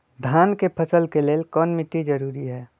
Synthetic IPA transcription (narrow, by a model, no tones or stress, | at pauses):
d̪ʱaːnkepʰəsəlkeleːlkɔːnmɪʈ̪ːid͡ʒɐɾuːɾiɦɛː